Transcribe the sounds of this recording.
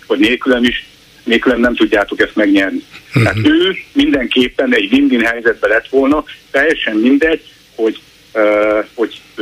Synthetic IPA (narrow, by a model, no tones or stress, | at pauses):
ʋɒɟneːlkylømiʃ | neːlkylømnɛmt̪uɟːaːt̪o̞kɛst̪mɛɡɲɛrnit̪ɛaːt̪øːmind̪ɛŋkeːpːɛnɛɟʋind̪inɦɛjzɛd̪̚bɛlɛt̪ʋo̞lnɒt̪ɛjːɛʃɛmːind̪ɛɟ | ho̞ɟ | ho̞ɟ